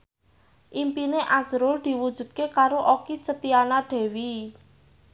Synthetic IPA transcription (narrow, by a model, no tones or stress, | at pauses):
ʔimpineʔazɾʊld̪̥i̤wud̥ʒ̥ṳd̪̥̚kekaɾoʔokisət̪ianaɖ̪̥ɛ̤wi